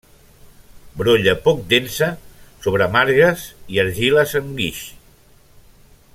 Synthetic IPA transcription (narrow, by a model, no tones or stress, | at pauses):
bɾoʎəpɔk̚d̪ensəsoβ̞ɾəamaɾɣəsiəɾʒiləsəŋɡiʃ